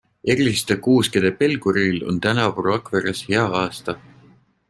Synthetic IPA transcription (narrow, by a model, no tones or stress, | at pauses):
eɾʲist̪ekuːsked̪̥epe̞lɡ̥uɾilo̞̰nt̪ænɑvruɑkveɾesheɑɑːst̪ɑ